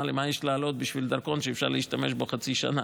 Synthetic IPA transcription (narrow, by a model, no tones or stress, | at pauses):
lemajeʃlaːlo̞t̪̚biʃvild̪aʁko̞nʃeefʃa̰ʁleiʃt̪ameʃbo̞χat͡siʃa̰na